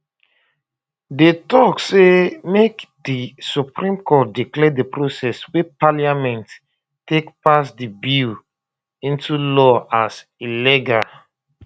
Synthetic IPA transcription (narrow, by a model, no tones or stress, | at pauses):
detɔksemekdisupɹĩmkɔt̚diklɛdepɹosɛswepaliamɛ̃nt | tekpasdibil | ĩntʰulɔasiliɡal